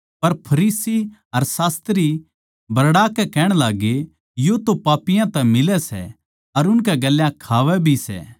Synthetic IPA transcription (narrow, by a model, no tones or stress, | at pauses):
pɐɾpʰɐɾiːsiɐɾsaːst̪ɾi | bɐɾɽaːkɛkɛːɽ̃laːɡe | jot̪opaːpɪjãt̪ɛ̃mɪlɛsɛ̰ | ɐɾʊnkɛɡɐlːjãkʰaːʋɛbʱisɛ̰ː